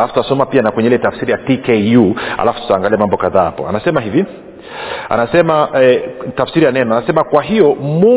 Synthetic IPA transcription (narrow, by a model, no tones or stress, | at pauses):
lafututasɔmapianakwɛɲɛilɛtafsiɾijatikejua̰lafu̥tu̥taːŋɡaliamambɔkaðaːhapɔ̰a̰nasɛmaɦivi | a̰nasɛmaɛtafsiɾijanɛnɔanasɛmakwaɦijɔmu